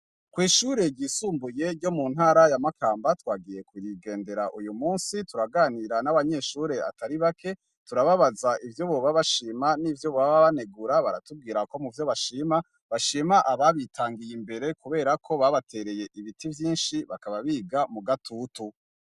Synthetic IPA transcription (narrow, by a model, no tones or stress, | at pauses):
kwiːʃuːɾe̞ɟiːsuːmbuje̞ɾɟo̞muːnhaːɾajamakʰaːmbatwaːɡije̞kuɾiɡe̞ːnde̞ɾaʔujumuːnsituɾaɡaːniɾanaβaɲe̞ʃuːɾe̞a̰taɾiβakʰe̞ | tuɾaβaβazaʔivjo̞βoβaβaʃiːmaniːvjo̞ββaβaβane̞ɡuɾaβaɾa̰tub̚ɡiːɾako̞muvjo̞βaʃima | βaʃiːmaʔaβaβitʰaːŋɡijimbe̞ɾe̞kuβe̞ːɾakʰo̞βaβatʰe̞ɾe̞je̞ʔiβitʰivjiːnʃiβakaβaβiːɡamuɡatʰuːtu